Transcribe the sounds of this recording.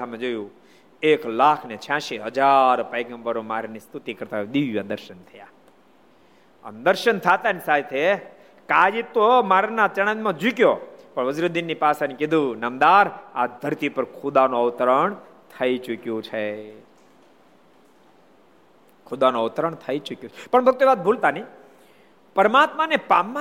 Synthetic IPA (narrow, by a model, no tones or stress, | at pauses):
amẽd͡ʒojũ | eklakʰnet͡ʃʰãʃiɦəd͡ʒaɾpəjɡə̃mbəɾomaɾnist̪ut̪ikəɾt̪aɦed̪iʋʋad̪əɾʃənt̪ʰəja | ə̰nd̪əɾʃənt̪ʰat̪anisat̪ʰe | kad͡ʒit̪ːomaɾnat͡ʃəɽ̃ãnmãd͡ʒukjopəɳʋəzɾod̪inːipasanikid̪ʱũnɐmd̪aɾa̰d̪ʱəɾt̪ipəɾkʰʊd̪anõəʋt̪əɾəɳ | t̪ʰəit͡ʃukjõt͡ʃʰe | kʰʊd̪anõəʋt̪ɾəɳt̪ʰəit͡ʃukjõt͡ʃʰepəɳbʱək̚t̪eʋat̪̚bʱult̪ani | pəɾmat̪manepamːa